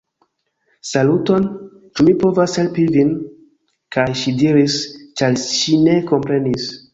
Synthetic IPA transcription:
saluto̞n | t͡ʃumipo̞vashe̞lpivin | kʰajʃidiɾist͡ʃaɾʃine̞ko̞mpɾe̞nis

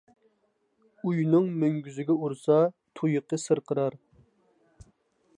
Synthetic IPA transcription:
ujnɨŋmøŋɡʲyzɪɡʲɛuɾsɑt̪ʰujɨqːəsɨɾqʰəɾɑɾ

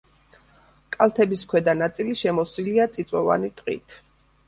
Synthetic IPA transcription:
kʼalˠt̪ʰɛbiskʰwɛd̪anat̪sʼiliʃɛmɔsiliat̪sʼit̪sʼɔva̰nit̪ʼqʼḭt̪ʰ

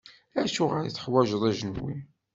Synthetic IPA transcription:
æʃuʁəɾiθə̥ħwæʒəðˤæʒənwḭ

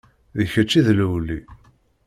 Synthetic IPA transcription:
ðəçæt͡ʃːiðləwlːi

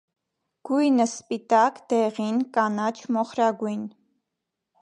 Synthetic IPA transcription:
ɡ̥ujnəspit̪ɑkd̪̥ɛʁinkɑnɑt͡ʃʰmɔχɾɑɡujn

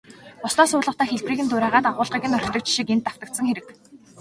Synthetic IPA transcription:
ʊsnɔːsʊːɮə̆wt̪æːxeɮpriːɣɘ̆nt̪ʊɾæːʁaːt̪aʁʊːɮʁiːɣɘ̆nœɾ̆kt̪ɞ̆kt͡ɕʃikent̪ːaw̥t̪ə̆k̚t̪sə̆ŋxeɾɘ̆k

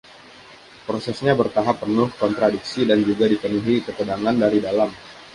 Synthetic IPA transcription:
pɾosɛsɲabərt̪aɦapːərnʊhkɔnt̪ɾadiksidand͡ʒuɡadipənuɦikət̪ədaŋandaɾidalam

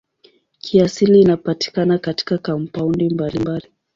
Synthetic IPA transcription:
kʰiasiliːnapati̥kanakati̥kakampaundimbalimbali

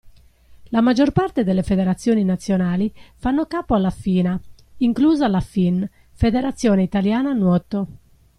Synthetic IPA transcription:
lamad͡ʒːɔrpart̪ed̪elːefeðeɾat̪sːjɔːninat̪sːjonaːlifanːokaːpoalːafiːna | iŋkluːzalafin | fed̪eɾat̪sːjɔːneit̪aljaːnanwɔt̪ːo

